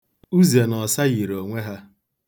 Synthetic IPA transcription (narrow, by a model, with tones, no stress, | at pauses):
u˦zi˨e˨nɔ˨sa˦ɣi˨ɾo˨ŋʷe˦ɦa˦